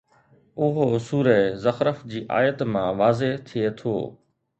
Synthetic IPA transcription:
ʊɦosuːɾəzɐxɾəfd͡ʑiːʔa̰ːjət̪mãʋaːzet̪ʰiet̪ʰo̰ː

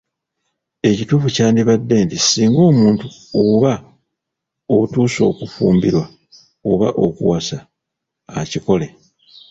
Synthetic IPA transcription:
e̞cituːfucaːndiβadːe̞ːntisiːŋɡo̞ːmuːntuoβa | outuːso̞̰ːkufṵːmbiɾwa | oβaʔo̞̰kṵwasa̰ː | ciko̞le̞

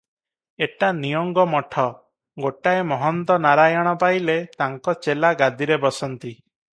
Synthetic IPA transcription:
eʈanijɔŋɡɔmɔʈʰɔ | ɡoʈaemɔɦɔnt̪ɔnaɾajɔɽ̃ɔpajlet̪aŋkɔt͡ʃelaɡad̪iɾebɔsɔnt̪i

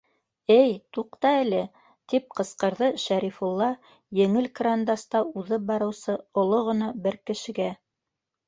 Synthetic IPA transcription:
ɘjt̪uqt̪ɑɘ̆lɘ | t̪ip̚qɤ̆sqɤ̆ɾðɤʃæɾifulˠːɑ | jɘ̆ŋɘlkrand̪ɑst̪ɑuðɤp̚bɑɾɤ̆wsɤŏlˠoʁɤ̆nɑbɘɾkɘ̆ʃɘ̆ɡæ

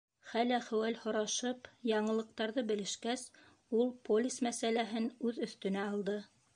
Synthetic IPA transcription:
χælæχɘ̆wælhŏɾɑʃɤpjɑɴɤ̆lˠɤ̆q̚t̪ɑɾðɤbɘ̆lɘ̆ʃkæs | ulˠpolʲismæsælæɦɘnʉðɵ̆θt̪ɵ̆næɑlˠd̪ɤ

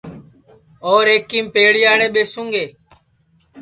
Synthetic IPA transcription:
oːɾeːkːiːmpeːɽijaːɳẽːɓeːsũŋɡeː

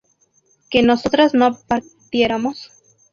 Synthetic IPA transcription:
ke̞no̞sot̪ɾaznopaɾ | t̪je̞ɾamos

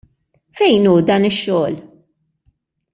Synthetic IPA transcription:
fɛjnuːd̪ɐːnɪʃːɔːl

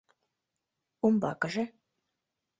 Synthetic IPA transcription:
umbɑ̰kəʒĕ

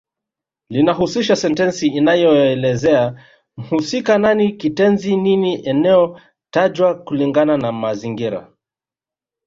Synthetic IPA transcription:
linaɦusiʃasɛntɛnsiːnajɔɛlɛzɛa | m̩husikananikitɛnzininiʔɛnɛɔ | taʄwakuliŋɡananamaziŋɡiɾa̰

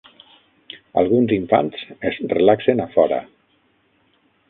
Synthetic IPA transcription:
a̰lˠɣunziɱfa̰nsezrelaksenafɔɾə̰

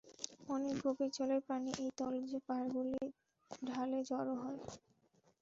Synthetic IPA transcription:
ɔnek̚ɡobiɾt͡ɕoleɾpɾaniʔejt̪ɔld͡ʑepaɾɡuli | ɖʱaled͡ʑɔɾoɦɔe

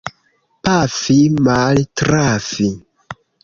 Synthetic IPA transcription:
pafimaltɾafi

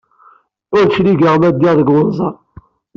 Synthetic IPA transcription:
ʊɾʃliɡəʁmæd̪ːiʁðəɡwəðzˤɑ

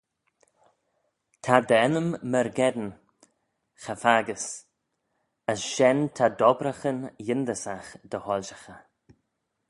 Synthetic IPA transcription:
t̪ʰad̪əɛnəmːəɾɡɛd̪n | xəfaɡəs | əsʃɛnt̪ʰad̪ɔbɾəxənjɪnd̪əsaxd̪̥əhɔlʲʃəxə

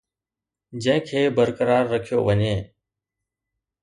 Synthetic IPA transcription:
d͡ʒə̃ɦɪ̃kʰeːbəɾkəɾaːɾːəkʰijo̰ːʋəɲeː

